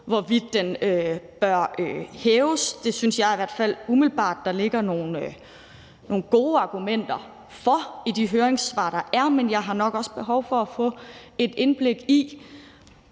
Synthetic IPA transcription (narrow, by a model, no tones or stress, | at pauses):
ʋɒʋid̥ːenøb̥ɶɐøhɛːʊsd̥e̝synsjɑ̈ɪiʋæɐ̰d̥fæl̰umilb̥ɑ̰̈ːd̥ːɑ̈le̝ɡ̥ɐno̝ːnø | no̝ːn̩ɡ̥o̝ːɑ̈ɡ̥umen̰d̥ɐ | fɒ̽id̥iɦøːɐeŋsʋɑ̰̈ːd̥ɑ̈ʔæɐmenjɑ̈ɪɦɑ̈nɒ̽ɡ̥ɒ̽sb̥e̝ɦɒ̽ʊfɒ̽æfɔ̰̽ːe̝d̥e̝nb̥le̝ɡ̥i